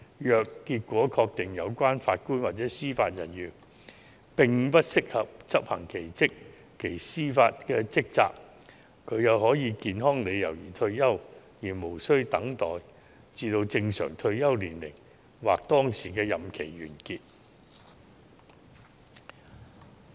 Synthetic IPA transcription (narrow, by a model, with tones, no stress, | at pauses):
jœː˨kːiː˧t̚kʷɔː˨˥kʰɔː˧k̚t̪ɪ˨˩ŋjɐ˨˧wkʷaː˥nfaː˧t̚kuː˥nwaː˨t̚t͡sɛː˨˥siː˥faː˧t̚jɐ˨˩njyː˨˩ | pɪ˨ŋ̩˨˧pɐ˥t̚sɪ˥k̚hɐ˨p̚t͡sɐ˥p̚hɐ˨˩ŋkʰe˨˩jt͡sɪ˥kːʰ | e˨˩jsiː˥faː˧t̚kɛː˧t͡sɪ˥k̚t͡sa̰ː˧k | kʰːɵ˨˧ɥjɐ˨whɔː˨˥jiː˨˧kiː˨˧nɦɔː˥ŋle˨˧jjɐ̰˨˩wjiː˨˩t̪ʰɵ˧ɥjɐ˥wjiː˨˩mo˨˩wsɵ˥ɥt̪ɐ˨˥ŋt̪ɔ̰ː˨j | t͡siː˧t̪o˧wt͡sɪ˧ŋsœ̰ː˨˩ŋt̪ʰɵ˧ɥjɐ˥wliː˨˩nlɪ̰˨˩ŋ | waː˨k̚t̪ɔː˥ŋsiː˨˩kɛː˧jɐ˨mkʰe˨˩jɥyː˨˩nkiː˧t̚